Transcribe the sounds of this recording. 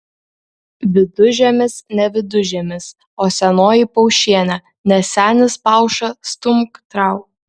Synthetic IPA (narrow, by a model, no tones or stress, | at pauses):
ʋʲɪd̪ʊʒʲɛmʲɪsnʲɛʋʲɪd̪ʊʒʲɛmʲɪs | oːsʲɛnoːjipɔʊʃʲiɛnʲɐ | nʲɛsʲæːnʲɪspɑˑʊʃɐst̪ʊmkt̪ɾɑˑʊ